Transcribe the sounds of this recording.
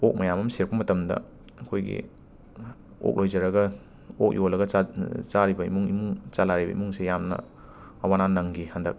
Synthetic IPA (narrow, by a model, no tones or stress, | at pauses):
ok̚mɐjamɐmseɾk̚pɐmɐtɐmdɐ̰ | ɐkʰojɡḭ | o̰k̚lojd͡ʒɐɾɐɡɐ | ok̚jolɐɡɐat͡ʃaɾibɐḭmuŋḭmuŋt͡ʃalaɾibɐ̰ḭmuŋsejamnɐ̰ː | wananɐŋɡihɐndɐk̚